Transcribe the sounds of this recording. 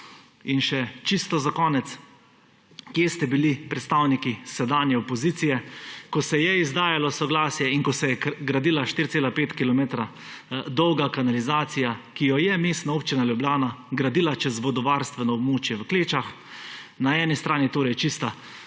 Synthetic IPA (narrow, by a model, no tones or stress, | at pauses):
inʃɛt͡ʃist̪ɔzakɔːnɛt̪s | kjest̪ɛbilipɾɛt̪st̪aːwnikisɛd̪aːnjɛɔpɔziːt̪sijɛkɔsɛjɛizd̪aːjalɔsɔɡlaːsjɛinkɔsɛjɛɡɾad̪iːlaʃt̪iːɾt̪seːlapeːt̪kilɔmeːt̪ɾa | d̪ɔwɡakanalizaːt̪sijakijɔjɛmeːst̪nauːpt͡ʃinaljublʲjaːnaɡɾad̪iːlat͡ʃɛzʋɔd̪ɔʋaɾst̪ʋɛnɔɔbmoːt͡ʃjɛʋəkleːt͡ʃax | naɛːnist̪ɾaːnit̪oːɾɛjt͡ʃist̪a